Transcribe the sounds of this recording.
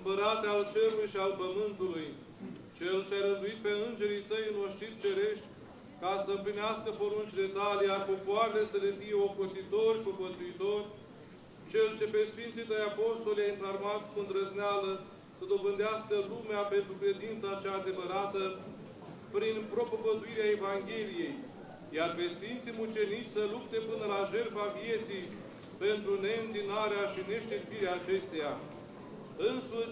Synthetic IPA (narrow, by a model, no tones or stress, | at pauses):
ɨmpəɾat̪ealt͡ʃe̞ɾulujʃialpəmɨnt̪uluj | t͡ʃelt͡ʃeaɾɨnd̪uit̪̚pe̞ɨnd͡ʒe̞ɾit̪əjɨnoʃt̪it̪t͡ʃe̞ɾe̞ʃt̪ʲ | kasəɨmplineaskəpo̞ɾunt͡ʃʲd̪e̞t̪alʲjarpo̞poaɾele̞səle̞fije̞o̞kot̪it̪o̞rʲpokot̪suit̪o̞rʲ | t͡ʃe̞lt͡ʃe̞pesfint̪sit̪əjapo̞st̪oljainflarmat̪kund̪ɾəznealə | səd̪o̞bɨnd̪easkəlumeape̞nt̪ɾukɾe̞d̪int̪sat͡ʃaːd̪e̞vəɾat̪ə | pɾinpɾo̞pəbəd̪uiɾeae̞vaŋɡʲe̞lije̞j | jarpe̞sfint̪simut͡ʃe̞nit̪sʲsəlup̚t̪e̞pɨnəlaʒe̞rfavije̞t̪sij | pe̞nt̪ɾune̞ɨnt̪inaɾeaʃine̞ʃt̪irpiɾeaːt͡ʃe̞st̪eja | ɨnsuʃ